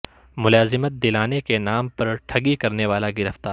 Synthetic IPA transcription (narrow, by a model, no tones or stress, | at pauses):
mʊlaːzɪmət̪̚d̪ɪlaːnekenaːmpɐɾʈʰɐɡikɐɾneʋaːlaɡɪɾəft̪aː